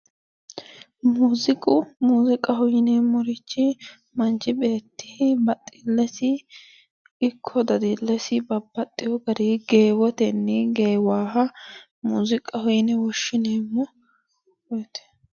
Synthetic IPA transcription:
muːzɪkʼʊmuːzɪkʼɐhɔjɪneːmːɔɾɪt͡ʃːɪ | mɐnt͡ʃːɪbe̞ːt̪ːɪhɪbɐt̪ʼːɪlːɛsɪ | ɪkʰːɔd̪ɐd̪ilːɛsɪbɐbːɐt̪ʼːɪjɔɡɐd̪iɡe̞ːwɔt̪ɛnːɛɡeːwaːɦɐ | muːzɪkʼɐhɔjɪnɛwɔʃːɪneːmːɔ | wɔjt̪ɛ̥

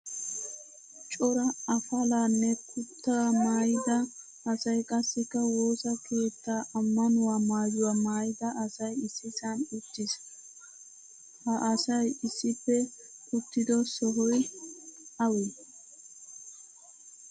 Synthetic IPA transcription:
t͡ʃʼɔɾɐɐfɐlaːnːɛkʰʊt̪ːamaːjɪd̪ɐː | sɐjkʼɐsːɛkːɐwo̞ːsɐkʰe̞ːt̪ːaːʔɐmːɐnʊwaːmaːd͡ʒʊwaːmaːjɪd̪ɐʔɐsɐjɪsːɪsɐnʊt̪ːɪs | hɐʔɐsɐjɪsːɪpːɛ | kʊt̪ːɪd̪ɔsɔɦɔj | ɐwɛ

